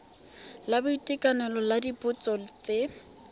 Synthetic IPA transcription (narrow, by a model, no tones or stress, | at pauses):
labʊitʼikʼanɛlɔladipʊt͡sʼɔt͡sʼe